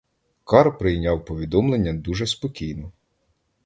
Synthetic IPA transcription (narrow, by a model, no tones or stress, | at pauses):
kɑɾpɾɪjnʲɑwpɔʋʲid̪ɔmlˠenʲːɐd̪uʒɛspɔkʲijnɔ